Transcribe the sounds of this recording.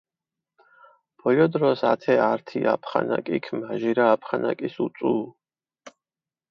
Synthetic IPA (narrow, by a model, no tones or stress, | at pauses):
b̥ɔjɔd̪ɾɔsat̪ʰɛaɾt̪ʰiapʰχa̰na̰kʼikʰmaʒiɾaːpʰχana̰kʼisut̪sʼu